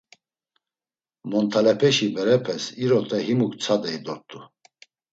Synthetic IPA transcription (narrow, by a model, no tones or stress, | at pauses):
mɔnt̪ʰalɛpʰɛʃibɛɾɛpʰɛsiɾɔt̪ʰʼɛɦimukt͡sʰad̪ɛid̪ɔɾt̪ʼu